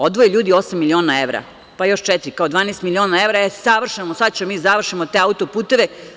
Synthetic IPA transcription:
od̪ʋojeʎuːd̪io̞samːilio̞ːnaeʋɾa̰ | pajo̞ʃt͡ʃɛt̪iɾikaod̪ʋaːneːst̪milio̞ːnaeʋɾaesaʋr̩ʃemosad̪̚t͡ɕemiːzaʋr̩ʃimot̪e̞aut̪opuːt̪e̞ʋe̞

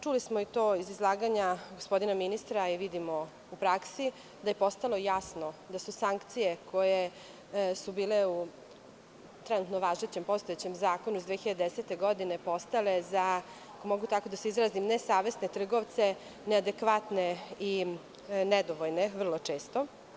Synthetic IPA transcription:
t͡ʃulismoit̪oːizizlˠaːɡaɲaɡospo̞d̪inaminist̪ɾaiʋid̪imo | upɾaksi | d̪ajepo̞st̪alo̞jasnod̪asusaŋkt̪sijekʰo̞je | subiːleu | t̪ɾɛnut̪noʋaːʒet͡ɕempo̞st̪oet͡ɕemzaːkonuizd̪ʋeːçiʎad̪d̪eset̪e̞ɡo̞d̪ine̞po̞st̪ale̞za | komoɡut̪ako̞d̪aseizɾaːzimnesaːʋe̞sne̞t̪r̩ɡoʋt̪se̞ | nead̪ekʋat̪nei | nɛd̪oʋojneʋr̩lˠo̞t͡ʂe̞ːst̪o

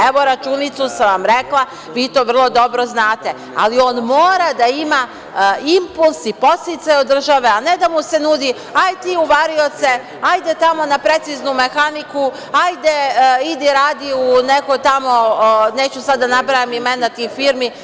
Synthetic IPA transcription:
eʋo̞ɾat͡ʃunit̪susaʋamɾe̞klˠa | ʋiːt̪o̞ːʋr̩lˠo̞d̪o̞bɾo̞znaːt̪e̞ | a̰lio̞ːnmo̞ːɾad̪aima | impulˠsipo̞st̪it̪sajod̪ːr̩ʒaʋe̞ane̞d̪amuse̞nuːd̪i | ajt̪iːuʋaɾio̞t̪se̞ | ajd̪e̞t̪amo̞napɾe̞t̪siznume̞xaniku | ajd̪eid̪iɾaːd̪iunekojt̪amo̞ne̞ːt͡ɕusad̪ːanabɾajamimenat̪iːfiːɾmi

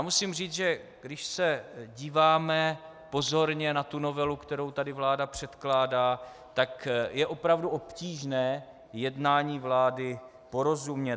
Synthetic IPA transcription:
amusimr̝iːt͡sʒɛ | ɡdɪʃsɛɟiːvaːmɛ | po̞zo̞ɾɲɛnat̪uno̞vɛlukt̪ɛɾowt̪adɪvlaːdapr̝̥ɛt̪klaːdaː | t̪akjɛʔo̞pɾavduʔo̞pciːʒnɛː | jɛdnaːɲiːvlaːdɪ | po̞ɾo̞zumɲɛ

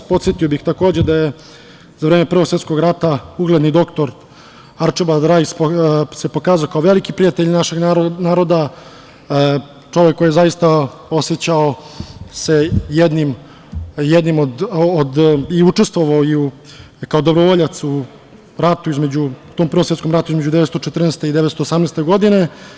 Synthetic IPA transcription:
po̞t̪sjet̪ijobixt̪akoːd͡ʑed̪aje | zaʋɾeːmepr̩ʋo̞ksʋet̪skoɡɾat̪auɡled̪nid̪o̞kt̪o̞ɾ | aɾt͡ʃebad̪ɾajsse̞po̞kaːzaokaoʋe̞likipɾiat̪eʎnaʃeɡnaːɾo̞d̪a | t͡ʃo̞ʋekːojijezajist̪ao̞sjet͡ɕaosejed̪nim | jed̪nimod̪od̪iut͡ʂest̪ʋo̞ʋaoiu | kaod̪o̞bɾoʋoʎat̪su | ɾat̪uizme̞d͡ʑut̪ompr̩ʋomsjeskomɾat̪uizmed͡ʑud̪eʋet̪st̪ot͡ʃet̪r̩nest̪eid̪eʋetst̪oːsamnest̪eɡo̞d̪ine̞

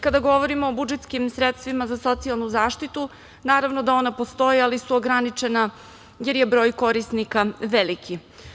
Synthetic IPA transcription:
kad̪aɡo̞ʋo̞ɾimo̞ːbud͡ʒet̪skimsɾet̪st̪ʋimazaso̞t̪sialˠnuzaːʃt̪it̪u | naːɾaʋnod̪ao̞napo̞st̪o̞jialisuoɡɾanit͡ʃena | je̞ɾjebɾo̞ːjko̞ɾisnikaʋelikʰi

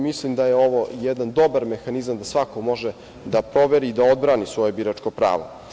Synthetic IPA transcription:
mislimd̪ajeo̞ʋo̞jɛd̪and̪o̞baɾme̞xanizamd̪asʋakomo̞ʒe | d̪apɾo̞ʋe̞ɾiːd̪aod̪̚bɾaːnisʋo̞je̞biɾat͡ʂko̞pɾa̰ːʋo̰

